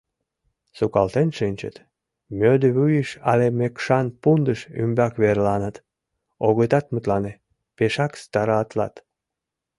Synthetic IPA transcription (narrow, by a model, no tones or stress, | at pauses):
sukɑlt̪enʃɨnʲt͡ɕə̰t̪ | mʲød̪əβyjəʃɑlemekʃɑnpund̪əʃy̰mbɑkβerlɑnət̪ | oɣət̪ɑt̪mut̪lɑne | peʃɑkst̪ɑɾɑɑt̪lɑ̰t̪